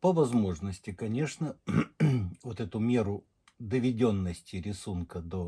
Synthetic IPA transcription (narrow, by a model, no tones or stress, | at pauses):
pəvɐzmo̞ʐnəsʲtʲɪkɐnʲe̞ʂnə | vot̪ɛt̪ʊmʲe̞ɾʊ | d̪əvʲɪdʲonːəsʲtʲɪɾʲɪsunkəd̪o